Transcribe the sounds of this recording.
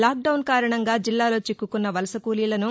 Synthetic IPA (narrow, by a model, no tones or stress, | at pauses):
laːk̚ɖɐwnkaːɾɐɳɐŋɡaːd͡ʒilːaːlo̞ːt͡ʃikːukunːɐʋɐlɐsɐkuːlijlɐnu